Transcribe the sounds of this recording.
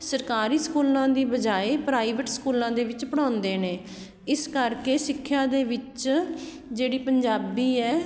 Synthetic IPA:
səɾkaːɾiːskuːlãːd̪iːbəd͡ʒaːeːpɾaːiːʋəʈskuːlãːd̪eːʋɪt͡ʃpəɽ̃ãːnd̪eːneː | ɪskəɾkeːsɪkʰːjaːd̪eːʋɪt͡ʃ | d͡ʒeːɽiːpəɲd͡ʒaːbiːɛː

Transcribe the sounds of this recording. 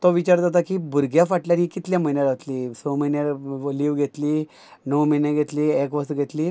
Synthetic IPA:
t̪ɔʋit͡ɕaɾd͡zat̪akiːbuɾɡʱjafaʈljaɾiːkit̪ljãməinjaɾat̪liːsoməinaɽliʋɡʱet̪liː | nəwməjnẽɡʱet̪liːekʋəst̪ɡʱet̪liː

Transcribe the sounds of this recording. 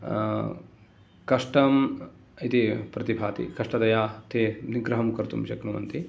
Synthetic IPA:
kɐʂʈɐm | it̪ipɾɐt̪ibʱaːt̪ḭkɐʂʈɐt̪ɐjaːt̪eniɡɾɐɦɐmkɐɾt̪ṵmʃɐknuʋɐ̰nt̪i

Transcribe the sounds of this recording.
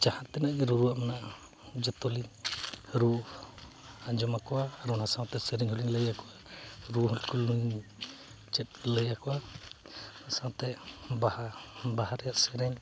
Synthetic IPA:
t͡ʃahat̪̚ːɛnaʔɡɛɾuɾuwaʔmanaʔ | d͡ʒɔt̪ɔli | ɾu | ad͡ʒɔmakɔwaːɾunhasaw̃t̪ɛsɛɾɛɲɦɔliɲləjakɔwaɾuɦɔlkulnujni | t͡ʃɛt̪̚ˀləjakɔwa | hasawt̪ɛbahabahaɾɛjaʔsɛɾɛɲ

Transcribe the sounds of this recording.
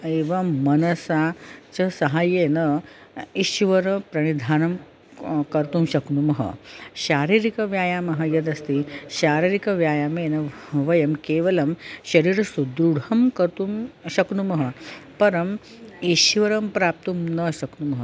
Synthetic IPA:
eːʋɐːɐnɐsat͡ɕɐsɐɦaːjenɐ | iʃʋɐɾɐpɾɐɽ̃id̪ʱaːnɐm | kɐɾt̪umɕɐknumɐɦɐ̰ɕaːɾiɾikɐʋjaːjaːmɐɦɐjɐd̪ɐst̪iɕaːɾiɾikɐʋjaːjaːmeːnɐʋɐjɐmkeːʋɐlɐmɕɐɾiːɾɐsud̪ɾuɽɐmkɐɾt̪umɕɐknumɐɦɐpɐɾɐm | iʃʋɐɾɐmpɾaːp̚t̪umnɐɕɐknumɐɦə

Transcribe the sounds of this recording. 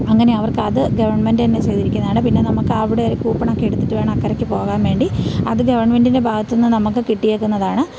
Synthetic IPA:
ɐŋːɐne̞ɐʋɐrkɨɐðɨɡɐʋɐrɳmendɨɐnːet͡ɕejd̪iɾikʲːunːaːɳɖɨpinːe̞nɐmukːɨɐʋiɽeoɾukuːpːɐɳokːeeɽut̪ːiʈːɨʋe̞ːɳɐmɐkːɐɾɐkʲːɨpo̞ːɣaːmʋe̞ːɳɖiɐðɨɡɐʋɐrɳɐmendinde̞bʱaːɡɐt̪ːunːɨnɐmukːɨkiʈːijeːkːunːɐðaːɳɨ

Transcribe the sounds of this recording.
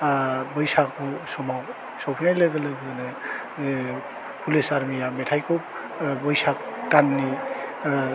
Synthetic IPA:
bʌjsakʰusɔmaw | sowpʰinajlɐɡɯlɯɡɯnɯ | pʰulesaɾmijametʰajkʰop̚ | bɔjsak | kanːi

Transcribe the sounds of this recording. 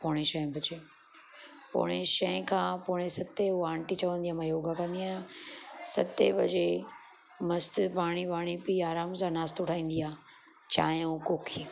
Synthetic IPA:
poːɽ̃eʃɐɪ̃bʱɐd͡ʑe | po̰ːɽ̃eʃɐɪ̃kʰãːpoːɽ̃esɐt̪euãːɳʈit͡ɕɐʋə̃nd̪ijaːmãjoːɡakɐ̃nd̪iaːjãsɐt̪ebɐd͡ʑe | mɐst̪paːɽ̃ipaːɽ̃ipiaːɾaːmsãːnaːst̪ʊʈʰaːĩːn̆d̪iaː | t͡ɕa̰ːɦukoːkʰiː

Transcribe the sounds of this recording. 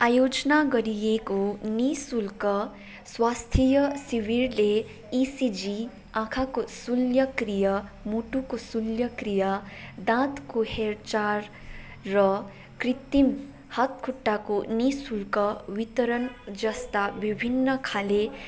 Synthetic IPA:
ajod͡znaɡʌɾijekonisulkʌ | swast̪ʰijʌsiwiɾle | isid͡zi | ãkʰakosuljʌkrijʌmuʈukosuljʌkrijʌd̪ãt̪koheɾt͡ʃarː | ʌ | krit̪im | hat̪kʰuʈːakonisulkʌwit̪ʌɾʌnd͡zʌst̪abibʱinːʌkʰale

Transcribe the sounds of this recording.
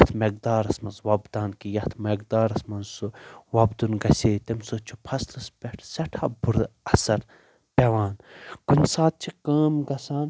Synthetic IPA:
t̪ʰmeɡ̚d̪aːɾɐsmɐnzwɐbd̪aːnkijɐt̪ʰmeɡd̪aːɾɐsmɐnsuwɐbd̪unɡɐsʲeːt̪imsot͡ʃʰupʰɐst̪ɐspʲeʈʰsɐʈʰaːbuɾɐsɐɾ | pʲeʋaːnɡ̥unʲsaːt̪̚t͡ʃʰikɐːmɡɐsaːn

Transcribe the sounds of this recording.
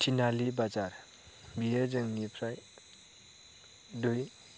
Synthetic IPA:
tʰinalibad͡ʒaɾ | bijezɯŋnipʰɾaj | duj

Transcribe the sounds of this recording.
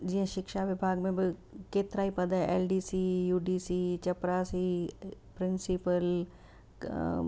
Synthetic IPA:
d͡ʒɪɦãʃɪkʃaʋɪbʱaːɡmẽbɪkeːt̪ɾaːipɐd̪aḛːlɖiːsiːjuːɖiːsiːt͡ʃɐpɾaːsipɾɪnsɪpəl

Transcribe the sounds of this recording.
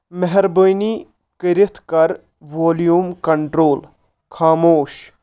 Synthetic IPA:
mɐɦɛɾbojni | kəɾɪt̪ʰkɐɾ | ʋoːljuːmkɐɳʈɾoːl | kʰaːmoːʃ

